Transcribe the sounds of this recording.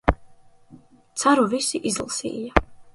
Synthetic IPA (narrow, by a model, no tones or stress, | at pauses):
t̪sʰaɾuvisiʔizlˠsḭja